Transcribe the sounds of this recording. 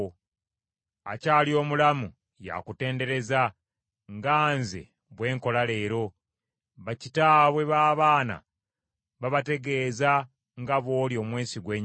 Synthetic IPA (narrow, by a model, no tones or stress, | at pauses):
a̰caːlio̞ːmulamu | ja̰kute̞ːnde̞ɾe̞za | ŋɡaːnzḛ | βwe̞ːŋko̞lale̞ːɾo̞ | βacitaːβwe̞βaːβaːna̰ | βaβate̞ɡe̞ːza | ŋɡaβo̞ːljo̞ːmweːsiɡwe̞ːɲ